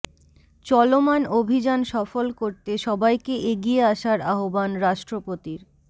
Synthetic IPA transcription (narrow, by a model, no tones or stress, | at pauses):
t͡ɕɔlomanobʱid͡ʑanʃɔfolkoɾt̪eʃɔbajkeʔeɡieaʃaɾaɦobanɾaʃʈɾopot̪iɾ